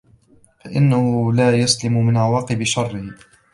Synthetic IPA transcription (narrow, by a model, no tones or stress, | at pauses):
faʔɪnːahʊlaːjaslɪmmɪnʕawaːqɨbɪʃɑrˤːɪh